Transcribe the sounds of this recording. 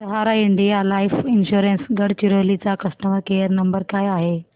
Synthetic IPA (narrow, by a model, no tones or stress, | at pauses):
t̪ɐɦaːɾaɪɳɖijalaːifɪnɕuːɾensɡəɽt͡ɕiɾolit͡sakɐsʈəməɾkeəɾnɐmbəɾkaːjaɦe